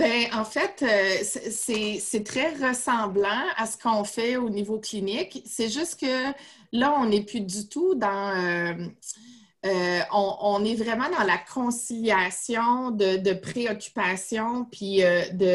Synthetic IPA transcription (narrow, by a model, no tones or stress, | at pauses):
bɛ̃ɑ̃fɛt̪øsɛsɛsɛt̪χɛʁəsɑ̃blɑ̃a̰sə̥kʰɔ̃fɛonivoklinɪksɛʒʏst̪kə | laɔ̃nɛplyd̪yt̪ud̪ɑ̃ømː | ɔ̃ɔ̃nɛvʁɛmɑ̃d̪ɑ̃lakʰɔ̃siljasjɔ̃d̪əd̪əpχeɔkʲy̥pasjɔ̃pʰiød̪ə